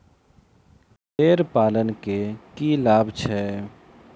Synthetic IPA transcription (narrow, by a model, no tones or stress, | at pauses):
ɦeːɾpaːlənkekilaːbʱt͡ʃʰɛː